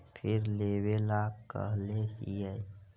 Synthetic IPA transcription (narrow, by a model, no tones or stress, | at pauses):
pʰɪɾleːwelaːɡkə̰ɦleɦiɛ